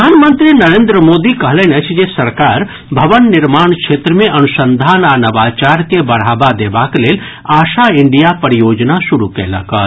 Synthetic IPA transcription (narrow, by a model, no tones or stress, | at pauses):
aːnmənt̪ɾinəɾẽːnd̪ɾəmoːd̪ikəɦlenet͡ʃʰd͡ʒesəɾkaːɾ | bʱɐʋənːɪɾmaːɳkʃʰeːt̪ɾəmẽʔɐnʊsə̃nd̪ʱaːnaːnɐʋaːt͡ʃaːɾkebɐɽ̤aːbad̪eːbakeleːl | aːʃaɪɳɖijapəɾijoːd͡ʒnaʃʊɾukḛːlɐ̰kə̰